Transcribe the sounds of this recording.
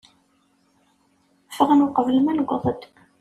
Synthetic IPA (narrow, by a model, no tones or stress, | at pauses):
fəʁnwqəvəlmænɡʷəðˤəd̪